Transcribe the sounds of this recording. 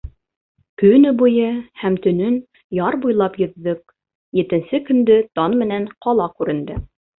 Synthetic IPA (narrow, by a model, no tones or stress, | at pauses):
kɵ̆jnɘbujɤhæmt̪ɵ̆nɵn | jɑɾbujlˠɑpjɵ̆ðːɵk̚ | jɘ̆t̪ɘ̆nsɘkɵ̆nd̪ɘt̪ɑnmɘ̆nænqɑlˠɑkʉɾɘ̆nd̪ɘ